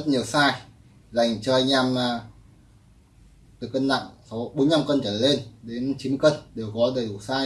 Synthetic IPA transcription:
zə˦˥t̚ɲi˨˩əwsaː˧j | za˧˩jŋ̟t͡ɕɔ˧ʔaː˧jŋ̟aː˧m˨˩ | t̪ɨ˨˩kːə˧nna̰˧˨ŋsɔ˨˦ɓo˨˦nːɲa˧mkə˧nt͡ɕəː˧˩le˧nɗe˨˦nt͡ɕi˨˦mkə˧nɗe˨˩əwɣɔ˨˦ɗəː˨˩ɗu˨˧˩saː˧

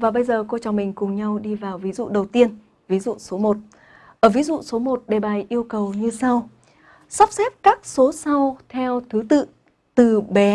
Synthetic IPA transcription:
vaː˨˩ɓə˧jzəː˨˩ko˧t͡ɕa˨˩wŋ͡mmï˨˩ŋ̟kʊ˨˩ŋ͡mɲa˧wɗi˧vaː˨˩wvi˨˦zṵ˧˨ɗə˨˩wt̪i˧ən | vi˨˦zṵ˧˨so˨˦mo˨˩t̚ | ʔəː˧˩vi˨˦zṵ˧˨so˨˦mo˨˩t̚ɗe˨˩ɓaː˨˩jʔi˧əwkə˨˩wɲɨ˧sa˧w | sɔ˦˥wp̚sɛ˦˥p̚kaː˦˥k̚so˨˦sa˧wt̪ʰɛ˧wt̪ʰɨ˨˦t̪ɨ̰˧˨ | t̪ɨ˨˩ɓɛ˨˦

